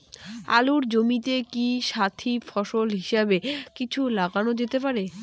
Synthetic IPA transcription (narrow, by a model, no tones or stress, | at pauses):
a̰luɾd͡ʑomit̪ekiʃat̪ʰifɔʃolɦiʃebekit͡ɕʰulaɡanod͡ʑet̪epaɾe